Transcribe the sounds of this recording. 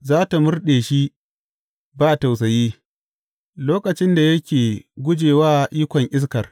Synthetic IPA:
zaː˦ta˨mʊ˦rɗeː˨ʃi˦ | baː˦˨ta˨ws̬ɐ˨jiː˦ | loː˦kɐ˨t͡ʃɪ˦nda˨jɐ˦kʲeː˨ɡʷʊ˦d͡ʒeː˨waː˦˨ʔiː˦kʷɔ˨ŋʔɪ˦s̬kɐ˨r

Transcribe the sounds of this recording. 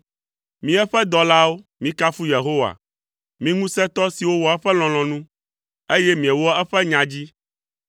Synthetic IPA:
mĩ˦ɛ˦ɸɛ˦d̪ɔ˨la˦wo˦mĩ˦ka˦fu˦je˨ɦo˦wa̰˨ | mĩ˦ŋũ˦sɛ̃˦t̪ɔ˦si˨wo˦wɔ˨ɛ˦ɸɛ˦l̃ɔ̃˨l̃ɔ̃˨nũ˦ | e˦jɛ˦mĩ˨ɛ˨wɔ˦ɛ˦ɸɛ˦ɲã˨d͡ʑi˦

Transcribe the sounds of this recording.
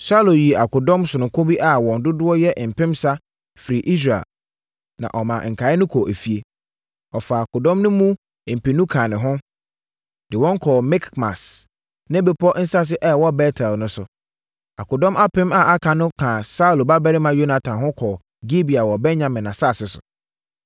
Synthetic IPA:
sa˦lo˨ji˨a˨kʊ˨dɔ̃˦msʊ˨nʊ̃˨kʰʊ̃˦bi˦ʔa˦wɔ̃˨n˨dʊ˦dʊ˦ɔ˦jɛ˦ʔm̩˨pʰɪ̃˦msa˦ | fi˨ɾi˨ʔi˦s̬ɾa̰˨l | nã̰˨ʔɔ˨mã˨ŋ̩˨kʰa˨˦ɪ˦nʊ̃˦kʰɔ˨ʔæ˨fi˨e˨ | ɔ˨fa˨a˨kʊ˨dɔ̃˦mnʊ̃˦mũ˦˨ | m̩˨pɪ˨nũ˦kʰã˨nɪ̃˨ɦʊ̃˦ | dɪ˨wɔ̃˦ŋ˦kʰɔː˨mɪ˦kma̰˨s | nã˦be˨pʰɔ˦n̩˦sa˦s̬ɪ˦ʔɛ˦˨wɔ˦bɛ˦tʰɛ˨lnʊ̃˦sʊ˨ | a̰˨kʊ˨dɔ̃˦mʔa˦pɪ̃˦ma˦˨ʔa˦kʰã˨nʊ̃˦kʰã˨sa˦u˨lba˦bɛ˦ɾɪ˦mã˨jo˦na˨tʰã˨nɦʊ̃˦kʰɔː˨ | ɡi˦bi˨a˨wɔ˨bɛ̃˦nɲã˨mɪ̃˨nã˨sa˦˨sɪ˦sʊ̰˨

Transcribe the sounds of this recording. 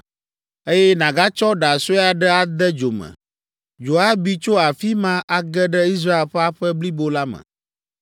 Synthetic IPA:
e˦jɛ˦nã˨ɡa˦t͡ʃɔ˦ɖa˨so˦ja˨ɖɛ˦a˨d̪ɛ˦d͡ʒo˨mɛ̰̃˨ | d͡ʒo˨a˦bi˦t͡ʃo˦a˨fi˦mã˦ʔa˦ɡɛ˦ɖɛ˦i˦s̬ɾa˦e˨lɸɛ˦a˦ɸɛ˦bli˦bo˦la˦mɛ̰̃˨

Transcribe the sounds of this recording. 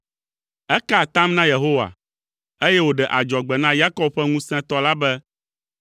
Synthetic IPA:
ɛ˦ka˦˨t̪ã˦mnã˦je˨ɦo˦wa̰˨ | e˦jɛ˦wo˨ɖɛ˨ʔa˨d͡ʒɔ˨ɡ͡bɛ˨nã˦ja˦kɔ˦b̚ɸɛ˦ŋũ˦sɛ̃˦t̪ɔ˦la˦bɛ˦

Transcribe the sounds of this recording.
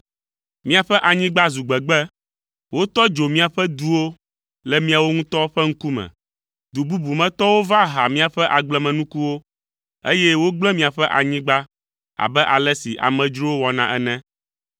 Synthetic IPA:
mĩ˦a˨ɸɛ˦ʔa˨ɲĩ˦ɡ͡ba˦zu˨ɡ͡bɛ˨ɡ͡bɛ˦ | wo˦t̪ɔ˦d͡ʒo˨mĩ˦a˨ɸɛ˦d̪u˦wo˦ | lɛ˨mĩ˦a˨wo˦ŋũ˦t̪ɔ˦ɸɛ˦ŋ̩˦ku˦mɛ̰̃˨ | d̪u˨bu˦bu˨mɛ̃˨t̪ɔ˦wo˦va˦ɦa˨mĩ˦a˨ɸɛ˦ʔa˨ɡ͡blɛ˦mɛ̃˨nũ˦ku˦wo˦ | ḛ˦jɛ˦wo˦ɡ͡blɛ˦mĩ˦a˨ɸɛ˦ʔa̰˨ɲĩ˦ɡ͡ba˦ | a̰˨bɛ˦ʔa˨lɛ˦si˨ʔa̰˨mɛ̃˨d͡ʒɾo˦wo˦wɔ˨nã̰˦ʔɛ˦nɛ̃˦

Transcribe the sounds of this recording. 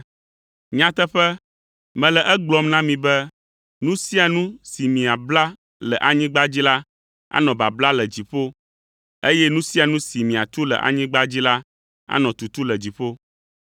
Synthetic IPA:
ɲã˦t̪ɛ˦ɸɛ˦ | mɛ̃˨lɛ˨ʔɛ˦ɡ͡blɔ˦mnã˦mĩ˨bɛ˦ | nũ˦si˦a˨nũ˦si˨mĩ˨a˨bla˦ | lɛ˨ʔa˨ɲĩ˦ɡ͡ba˦d͡ʑi˦la˦ | a̰˦nɔ̃˨ba˨bla˦lɛ˨d͡ʑi˨ɸo˦ | e˦jɛ˦nũ˦si˦a˨nũ˦si˨mĩ˨a˨t̪u˦lɛ̰˨ʔa̰˨ɲĩ˦ɡ͡ba˦d͡ʑi˦la˦ | a̰˦nɔ̃˨t̪u˨t̪u˦lɛ˨d͡ʑi˨ɸo˦

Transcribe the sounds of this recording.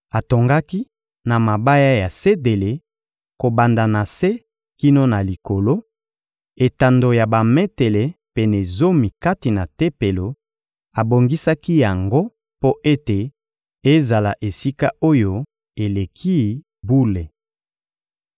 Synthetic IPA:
a˨to˨ŋɡa˦ki˦ | na˨ma˨ba˦ja˦ja˨se˦de˨le˨ | ko˨ba˨nda˨na˨se˦ | ki˦no˦na˨li˨ko˨lo˦ | e˨ta˨ndo˨ja˨ba˨me˦te˨le˨pe˨nɛ˨zo˦mi˨ka˦ti˨na˨te˦pe˨lo˨ | a˨bo˨ŋɡi˦sa˦ki˦ja˨ŋɡo˦ | po˦ʔe˦te˨ | e˦za˨la˨ʔe˨si˦ka˦o˦jo˦ | e˨le˨kʰi˦ | bu˦le˨

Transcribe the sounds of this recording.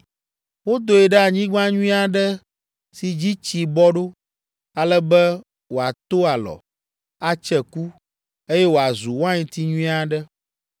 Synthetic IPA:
wo˦d̪o˨ɛ˨ɖɛ˦a˨ɲĩ˦ɡ͡bã˦ɲũ˦ĩ˦a˨ɖɛ˦ | si˨d͡ʑi˦t͡ɕi˨bɔ˦ɖo˦ | a˨lɛ˦bɛ˦ | wo˨a˨t̪o˦a˨lɔ̰˨ | a˦t͡ʃɛ˨ku˦ | e˦jɛ˦wo˨a˨zu˨wã˦ɲĩ˨t̪i˦ɲũ˦ĩ˦a˨ɖɛ˦

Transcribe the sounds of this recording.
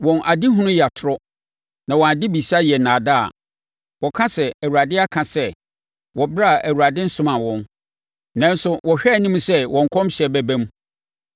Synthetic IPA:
wɔ̃˨nʔa˨dɪ˦ɦʊ̃˦nʊ̃˦ja˨tʰʊ˨ɾɔ˦ | nã˨wɔ̃˨a˨dɪ˦bi˨si˦a˦jɛ˨nãː˨da˦a̰˨ | wɔ˨kʰã˦sɛ˨æ˨wu˨ɾa˨dɪ˦a˦kʰã˨sɛ˦ | wɔ˨bɾa˦˨ʔæ˨wu˨ɾa˨dɪ̃˦n̩˦sʊ̃˦mã˨wɔ̃˦n | nã˨˦n˦sʊ˦wʔɔ˨ɕᶣɛː˦˨nĩ˦m̃˦sɛ˦wɔ̃˨ŋ˨kʰɔ̃˦mɕɛ˨bæ˦bæ̃˦m˦

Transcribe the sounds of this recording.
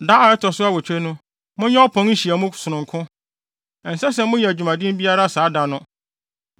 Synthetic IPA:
da˦a˨ɛ˦tʰɔ˨sʊ˦a˦˨wɔ˨t͡ɕᶣe˦nʊ̃˦ | mʊ̃˦ɲɛ̃˦ɔ˦pʰɔ̃˦ŋ̩˦ɕi˨æ˨mʊ̃˦sʊ˨nʊ̃˨ŋ˨kʰʊ̃˦ | ɛ˨n̩˨sɛ˦s̬ɛ˨mʊ̃˦jɛ˨æ˨d͡ʑᶣu˨mã˨dɪ̃˦m˦bi˦a˦ɾa˦˨saː˨˦da˨nʊ̃˦

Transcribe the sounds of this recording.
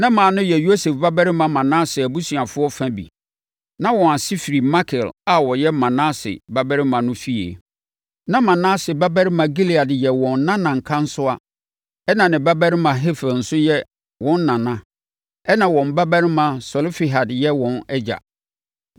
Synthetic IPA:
nã˦mãː˨nʊ̃˦jɛ˨jo˦se˨fba˦bæ˦ɾɪ˦mã˨mã˨nãː˦sɪ˨æ˨bu˦si˨a˨fʊ˦ɔ˦fã˦bḭ˨ | nã˦wɔ̃˨a˨sɪ˦fi˨ɾi˨ma˦kʰɪ˨la˦wɔ˨jɛ˦mã˨nã˦sɪ̰˨ba˦bæ˦ɾɪ˦mã˨nʊ̃˦fi˦ḛ˨ | nã˦mã˨nãː˦sɪ˨ba˦bæ˦ɾɪ˦mã˨ɡi˦li˨a˨djɛ˨wɔ̃˨n˦nã˦nã˨ŋ̩˨kʰã˦n̩˦sʊ˦a˦ | ɛ˦nã˨nɪ̃˨ba˦bæ˦ɾɪ˦mã˨ɦɪ˦fɛ˨ln̩˨sʊ˦jɛ˦ | wɔ̃˨˦nː˦ã˨nã˦ | ɛ˦nã˨wɔ̃˨m˨ba˦bæ˦ɾɪ˦mã˨sɔ˨lfi˨ɦa˨djɛ˦wɔ̃˨nɛ˦d͡ʑa̰˨

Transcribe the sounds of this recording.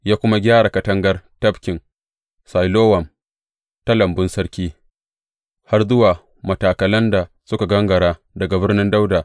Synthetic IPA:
jaː˦kʷʊ˦ma˦ɡʲaː˦ɽa˨kɐ˨tɐ˦ŋɡɐ˦rtɐ˦bkʲɪ˨n | sa˨jloː˦wɐ˨m | ta˦lɐ˨mbʊ˦nsɐ˦ɽkʲiː˦ | ha˦rzʊ˦waː˨ | mɐ˨taː˨kɐ˨lɐ˦nda˨ | sʊ˦ka˨ɡɐ˦ŋɡɐ˨ɽaː˦ | dɐ˨ɡa˨bɪ˦rnɪ˦nda˦wdaː˨

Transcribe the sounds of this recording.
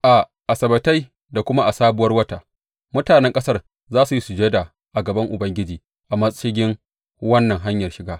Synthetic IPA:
ʔa˨ | ʔa˨sɐ˨bɐ˨ta˦j | da˨kʷʊ˦ma˦ʔa˨saː˦bʊ˦wɐ˦rwɐ˦taː˨ | mʊ˦taː˨nɛ˦ŋkʼɐ˦sɐ˦r | zaː˦su˨ji˦su˨d͡ʒeː˦da˨ | ʔa˨ɡɐ˨bɐ˦ŋʔʊ˨bɐ˦ŋɡʲɪ˦d͡ʒiː˨ | ʔa˨mɐ˦sʼʃɪ˦ɡʲɪ˦ŋ | wɐ˦nːɐ˨ŋɦa˦ɲjɐ˨rʃɪ˦ɡaː˦

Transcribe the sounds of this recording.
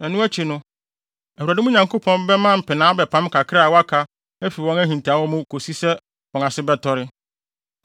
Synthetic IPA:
ɛ˨nũ˦æ˦t͡ɕʰi˨nʊ̃˦ | ɛ˨hu˨ɾa˨dɪ˦mũ˦ɲã˨ŋko˦pʰɔ̃˦m˦bɛ˦mã˦m̩˨pɪ˨nã˨˦bɛ˨pʰã˨˦m˦kʰa˨kʰɪ˦ɾa˦a˨wa˦kʰa˨ | æ˦fi˨ɾwɔ̃˦ŋæ˦ɦĩ˨n˨tʰa˨˦wɔ˦mʊ̃˦kʰo˨si˦sɛ˦ | wɔ̃˨ŋa˨sɪ˦bɛ˦tʰɔ˦ɾɪ˦

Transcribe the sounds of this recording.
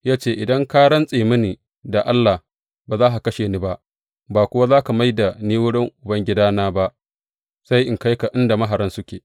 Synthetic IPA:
jaː˦t͡ʃeː˦ʔɪ˨dɐ˦ŋkaː˦ɽɐ˦nsʼeː˨mɪ˦niː˨ | da˨ʔa˦lːaː˨h | baː˨zaː˦ɦa˨kɐ˦ʃeː˨niː˦ba˦ʔ | baː˨kʷʊ˦wa˦zaː˦ka˨ma˦jda˨niː˦wʊ˦ɽɪ˦ŋʔʊ˨bɐ˦ŋɡʲɪ˦daː˦naː˦ba˦ʔ | sa˦jʔɪ˨ŋka˦jka˨ʔɪ˦nda˨mɐ˦ɦa˨ɾɐ˦nsʊ˦kʲeː˨

